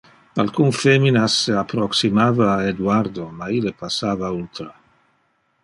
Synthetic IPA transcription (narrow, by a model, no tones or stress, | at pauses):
a̰lkunfeminaseapɾoksimaːvaːed̪uaɾd̪omailepasaːvault̪ɾa